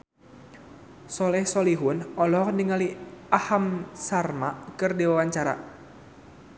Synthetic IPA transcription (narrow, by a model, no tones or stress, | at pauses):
sɔlɛhsɔliɦʊnɔlɔniŋaliahamsarmaʔkɨrdiwawaɲt͡ʃaɾa̰